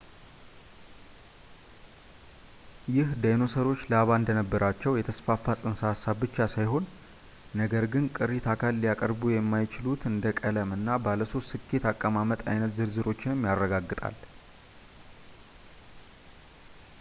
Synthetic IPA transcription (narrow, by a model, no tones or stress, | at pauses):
jɪhd̪ajno̞səɾo̞t͡ʃːləaβaɨnd̪ənəbːəɾat͡ʃːɛwjɛt̪ʰəsfafːasʼɨnsaasaβbɨt͡ʃːasajɦo̞nː | əɡəɾɡɨnkʼɨɾit̪ʰakʰalːjakʼəɾbujɛmːajɪt͡ʃɪlut̪ʰɨnd̪əkʼələmɨnːabaləso̞st̪ːɨkʰːe̞t̪akʼːəmamət̪ʼajnət̪zɨɾzɨɾo̞t͡ʃːɪnɨmːjarːəɡaɡːɨt̪ʼa̰l